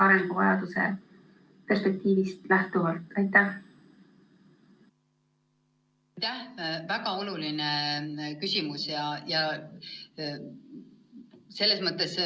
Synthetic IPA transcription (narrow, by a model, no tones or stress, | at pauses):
ɑɾeŋɡuvɑjɑd̪̥use̞̰ | pe̞rspe̞k̚t̪iːvist̪læht̪uvɑlt̪ˑɑjt̪ːæh | ɑjt̪æhvæɡɑo̞lulinekysʲimusjɑjɑ | se̞lːesmɤt̪ːˑes